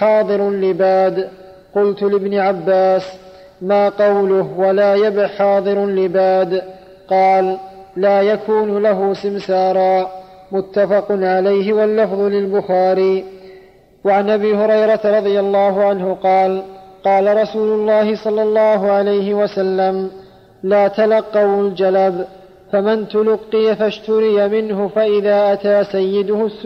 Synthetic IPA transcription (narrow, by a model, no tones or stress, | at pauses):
ħɑːd̪ˤɨɾlɪbaːd̪ | qʊlt̪ʊlɪbnɪʕabːaːs | maːqɑwlʊhwalaːjabɪħɑːd̪ˤɨɾlɪbaːd̪ | qɑːlː | aːjakʰuːnʊlaɦʊsɪmsɑːɾˤɑː | mʊt̪ːafɑqʊnʕalajɦɪwalːɑfðˤʊlɪlbʊxaːɾiː | waʕanʔabiːhʊɾɑjɾˤɑt̪aɾˤɑd̪ˤɨjalːɑːɦʊʕanhʊqɑːlqɑːlaɾˤɑsuːlʊlːɑːhɪsˤɑlːɑlːɑːɦʊʕalajɦɪwasalːam | laːt̪alɑqːɑwald͡ʒalab | famant̪ʊlʊqːɪjafaʃt̪ʊɾɪjamɪnɦʊfaʔɪðaːʔat̪aːsajːɪd̪ʊhʊs